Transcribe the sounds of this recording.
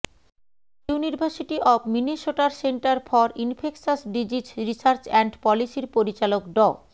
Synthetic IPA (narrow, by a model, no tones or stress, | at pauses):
ewniɾbʱasiʈiʔɔbminiʃoʈaɾseɳʈaɾfɔɾinfʰeksasɖid͡ʑit͡ɕɾisaɾt͡ɕɛɳɖpɔlisiɾpoɾit͡ɕalokɖɔ